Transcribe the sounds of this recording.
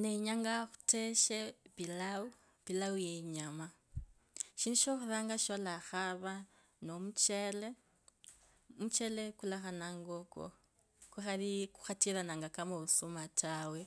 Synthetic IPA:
neɲaŋɡaxu̥te̞ʃepilau | pilaujeɲama | ʃinduʃoxuðaːŋɡaʃolaxaβa | nomut͡ʃele | mut͡ʃele̞kulaxanaŋɡoko̰ | kuxaliku̥xatiɾanaːŋɡakamoβusumataːwe̞

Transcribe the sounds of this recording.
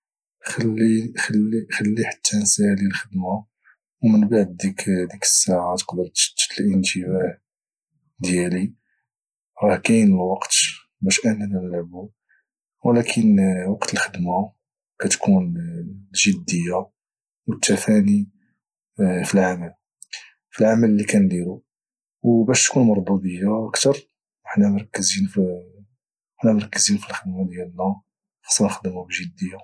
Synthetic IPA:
xælːixlixælːiħḁt̪ʰːænsælilxəd̪ma | wmənbaʕd̪ːikd̪ikə̥sːaʕat̪ə̥qd̪əɾt̪t̪lʔəntəwaʕ | d̪jæli | ɾˤɑhkæjənəlwɑqt̪ | bæʃʔænænænlaʕbu | wəlækʰənwɑqt̪əlxəd̪ma | kæt̪kʰunlʒəd̪ːəjːa | wət̪ʰːæfæni | filʕamæl | filʕamælːikænd̪ælu | wbæʃt̪kunmɑɾˤbud̪əjːaʔəkt̪ɑɾˤ | əħnæmɑɾˤkːəzinf | ħnæmɑɾˤkːəzinfilxəd̪mad̪jælnæ | xɑ̥sˤɑnxd̪əmubʒəd̪ːəjːa

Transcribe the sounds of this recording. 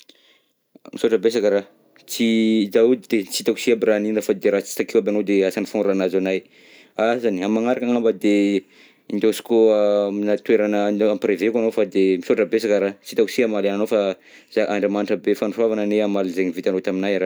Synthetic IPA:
misoʈ͡ʂəbes̬akəɾa | t͡sid̪aud̪d̪et͡sit̪aku̥siabiɾaninɾafad̪eɾat͡si̥t̪akewabeanod̪easanifonɾanazanaj | azaniamaŋaɾakaŋambəd̪e | ind̪osi̥koaminat̪weɾanəamprevekʷanofad̪emisoʈ͡ʂəbesakəɾat͡sit̪aku̥siamalananofaz̥aʔaɳɖ͡ʐamanʈ͡ʂəbefanuravanəneamalizeɲivit̪anot̪aminajɾa

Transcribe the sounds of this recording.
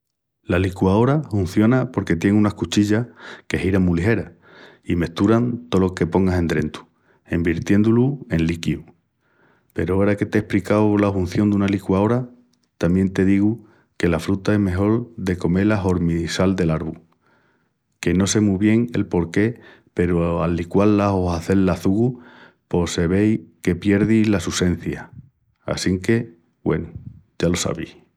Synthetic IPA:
lalikwao̞ɾafun̟θjo̞napo̞ɾke̞t̪je̞ŋũnahkut͡ʃiʎake̞hiɾamuliɦe̞ɾa | ime̞ht̪uɾant̪o̞lo̞ke̞po̞ŋɡase̞nd̪ɾe̞nt̪u̥ | e̞mbiɾt̪je̞nd̪ulue̞nlikiu | pe̞ɾooɾake̞t̪ehplikawlafun̟θjo̞nd̪unalikwao̞ɾa | t̪amje̞nt̪e̞ðiɣu | ke̞lafɾut̪ae̞ɦme̞ɦo̞ɾðe̞ko̞me̞laɦo̞ɾmisald̪e̞laɾβu | ke̞no̞se̞muβje̞ŋe̞̰lpo̞ɾke̞ | pe̞ɾoalːikwalːaɦo̞ɦaθe̞lːaθuɣu | po̞se̞βe̞jke̞pje̞ɾðilasuse̞n̟θja | a̰siŋke̞ | we̞̰nuɟ͡ʝalo̞sa̰βi

